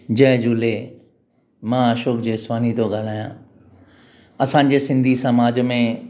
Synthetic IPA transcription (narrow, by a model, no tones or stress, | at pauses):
d͡ʑɛːd͡ʒuːle | mãːaːʃoːkd͡ʑeːswaːnit̪oɡalaːjãː | ɐsãːd͡ʑesɪ̃nd̪ʱisəmaːd͡ʑmẽ